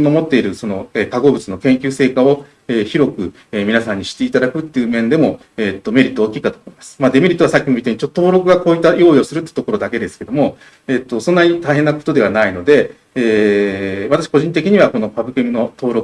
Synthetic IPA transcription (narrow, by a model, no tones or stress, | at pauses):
omo̞t̪ːe̞iɾɯ̟so̞no̞eːt̪aɡo̞ːbɯ̟t͡sɨno̞kẽ̞ŋkʲɨːse̞ːkao̞ | eːçiɾo̞kɯ̟ | eːmʲinasãɲ̟ːiɕi̥t̪e̞it̪ad̪akɯ̟t̪ːe̞jɯ̟ːmẽ̞nd̪e̞mo̞ | et̪ːo̞me̞ɾʲit̪ːooːkʲiːkat̪omo̞imasɨ̥mad̪e̞me̞ɾʲit̪ːoasakʲːimo̞mit̪eɲ̟it͡ɕot̪ːot̪o̞ːɾo̞kɯ̟ɡakoːit̪ːajo̞ːio̞sɨɾɯ̟t̪ːe̥t̪o̞ko̞ɾo̞d̪ake̞d̪e̞sɨ̥ke̞d̪o̞mo̞ | eːt̪ːo̞sõ̞nːaɲ̟it̪aiɦe̞nːako̞̥t̪o̞d̪e̞β̞anaino̞d̪e̞ | eː | βat̪aɕi̥ko̞ʑĩnt̪̬e̞kʲiɲ̟iβako̞no̞pabɯ̟kɯmʲino̞t̪o̞ːɾo̞kɯ̥